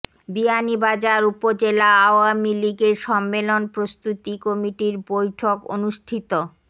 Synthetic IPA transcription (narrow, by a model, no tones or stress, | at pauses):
bianibad͡ʑaɾupod͡ʑelaaoamiliɡeɾʃɔmːelonpɾost̪ut̪ikomiʈiɾbojʈʰoko̰nuʃʈʰit̪o